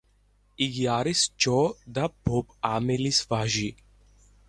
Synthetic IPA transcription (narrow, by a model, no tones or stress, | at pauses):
iɡijaːɾist͡ʃɔd̪ab̥ʱoːpaːmelisvaʒi